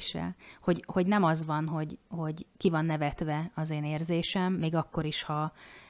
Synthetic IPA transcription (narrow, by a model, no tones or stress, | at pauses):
ʃɛ̰ho̞ɟho̞ɟnɛmɒzʋɒnɦo̞ɟho̞ɟkivɒnːɛvɛt̪ʋɛɒzeːneːrzeːʃɛmːeːɡɒkːo̞ɾiʃhɒ